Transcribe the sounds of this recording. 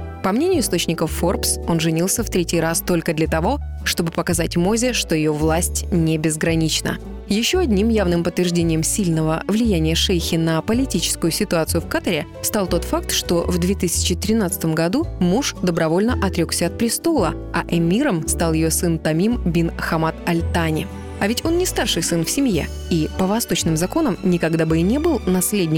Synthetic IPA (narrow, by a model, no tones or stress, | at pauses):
pɐmnʲenʲɪjʊɪst̪ot͡ɕnʲɪkəfo̞rpso̞nʐɨnʲilˠsʲəft̪ɾʲetʲɪjɾast̪o̞lʲkəd̪lʲət̪ɐvo̞ʂt̪o̞bɨpəkɐzatʲmo̞zʲɪʂt̪o̞jɪjo̞vlˠasʲtʲnʲɪbʲɪzɡɾɐnʲit͡ɕnə̰ | jɪɕːo̞ɐdʲnʲimjavnɨmpət̪ːvʲɪrʐdʲenʲɪjəmsʲilʲnəvəvlʲɪjænʲɪjəʂejxʲɪnəpəlʲɪtʲit͡ɕɪ̥skʊjʊsʲɪt̪ʊat̪sɨjʊfkat̪əɾʲɪ | st̪alˠt̪o̞t̪fak̚t̪ʂt̪o̞vd̪vʲet̪ɨsʲɪ̥t͡ɕɪt̪ɾʲɪn̪at̪sɨ̥t̪əmɡɐd̪umuʂd̪əbɾɐvo̞lʲnəʔɐt̪ɾʲo̞ksʲəɐt̪̚pɾʲɪst̪o̞lˠə | ɐʔɛmʲiɾəmst̪alˠjɪjosɨnt̪ɐmʲimbʲinxɐmat̪ɐlʲt̪anʲɪ | ɐvʲɪtʲo̞nnʲɪst̪arʂɨjsɨnfsʲɪmjḛ | ipəvɐst̪o̞t͡ɕnɨmzɐko̞nəmnʲɪkɐɡd̪abɨɪnʲebɨlˠnɐsʲlʲedʲnʲɪ